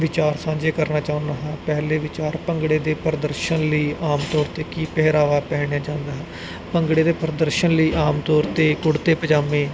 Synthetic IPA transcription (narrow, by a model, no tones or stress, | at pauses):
ʋɪt͡ʃaːɾsãːd͡ʒeːkəɾnaːt͡ʃaːʊ̃nd̪aːɦɛ̃ːpɛɦleːʋɪt͡ʃaːɾpəŋɡɽeːd̪eːpɾəd̪əɾʃənləiːaːmt̪ɔːɾt̪eːkiːpɛɦɾaːʋaːpɛːɽ̃jãːd͡ʒãːnd̪aːɦɛː | pəŋɡɽeːd̪eːpɾəd̪əɾʃənləiːʔaːmt̪ɔːɾt̪eːkʊɽt̪eːpəd͡ʒaːmẽː